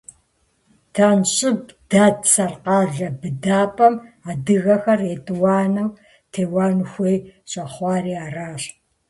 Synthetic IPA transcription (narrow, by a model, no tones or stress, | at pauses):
tʰanɕʼɪbd̥aːtʰsɐrqɑːɮɐbɨdaːpʼɐmaːdɨɣɐxɐretʼwɑːnɐw | tʰeːwaːnxʷejɕʼɐχʷɑːriːaːraːɕ